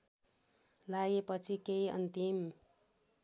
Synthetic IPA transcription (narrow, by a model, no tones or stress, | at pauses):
lajepʌt͡sʰikeiʌ̰nt̪im